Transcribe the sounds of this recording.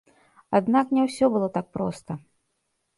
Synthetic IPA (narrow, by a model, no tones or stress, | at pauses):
ad̪naknʲɛwsʲɔbɨlˠɔt̪ak̚pɾɔ̰st̪ɐ